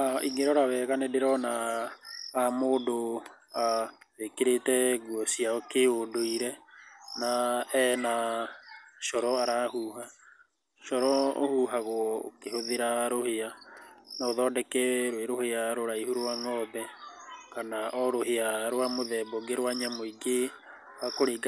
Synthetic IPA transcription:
aiŋeɾɔɾawɛɣanɛdeɾɔna | amoːdo | aðekeɾetɛɡuɔsiaɔkeodoiɾɛnaɛna | ʃɔɾɔaɾahuːha | ʃɔɾɔo̰huɦaɣwɔo̰kehoðeɾaɾoheanaoðɔːdɛkɛɾweɾoheaɾoɾaihuɾwaŋɔbɛkanaʔɔɾoɦeaɾwamoðɛbɔɡeɾwaɲamɔiɡe | akoɾeɡ

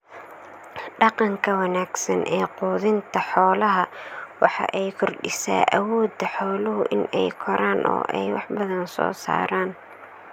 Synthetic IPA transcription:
ɖɑqɑŋkʰɐwɐnaːɡsɐnʔɛːquːðɪnt̪ʰɐħɔːlɐɦɐwɑħɑ̰ʔɛjkʰʊrɖɪsa̰ːʔɐwɔːd̪ɐħɔːlʊɦʊʔɪnɛjkʰɔɾaːnʔɔ̰ːʔɛjwɑħbɐðɐnsɔ̰ːsa̰ːɾaːn

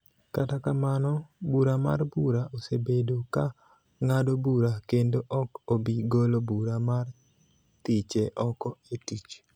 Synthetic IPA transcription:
katakamanɔbuɾama̰rbuɾaʔosebedoka | ŋadobuɾakendoʔɔkobiɡolobuɾamar | t̪it͡ʃeʔɔkɔetit͡ʃ

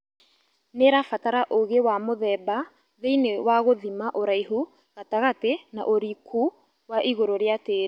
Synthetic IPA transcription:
neɾafataɾaʔoɣewamoðɛba | ðeinewaɣoðimaʔoɾaiɦu | ɣataɣatena̰ʔoɾikʰu | waʔiɣoɾoɾeateɾ

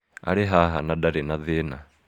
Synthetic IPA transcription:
a̰ɾeɦaɦanadaɾenaðena

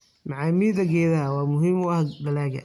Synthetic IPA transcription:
mɑʕɑːmiːðɐɡɛːðɐɐwɑːmʊɦiːmʊɐhɖɐlɛːɡɐ̰

